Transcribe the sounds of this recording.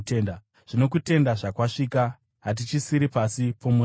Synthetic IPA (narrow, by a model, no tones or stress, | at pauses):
n | ʐ̥ino̞k̬ute̞ndaʐakwaʂika | ɦat̬it͡ʃisiɾipasipʰomu